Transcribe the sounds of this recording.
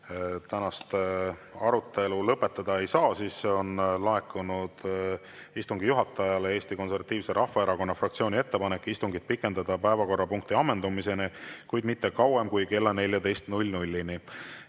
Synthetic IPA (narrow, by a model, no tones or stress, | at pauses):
t̪ænɑst̪ɑɾut̪ːˑe̞lulɤpːe̞t̪ːˑɑd̪̥ɑe̞jsɑːsiːseo̞nlɑe̞kːˑunud̪̥ | ist̪uŋɡijuɦɑt̪ːˑɑjɑlee̞ːst̪iko̞ns̬e̞rvɑt̪ːˑiːvseɾʔɑhːɑe̞ɾɑko̞nːɑfrɑkt̪sioːnʲie̞t̪ːe̞pɑnekːist̪uŋɡid̪̚pikːˑe̞nd̪ɑd̪̥ɑpæevɑko̞rːɑpuŋk̚t̪iɑmːe̞nd̪umise̞nekujd̪mit̪ːekɑwemkujke̞lːɑne̞lʲjɑt̪e̞jst̪nulʲnulʲːini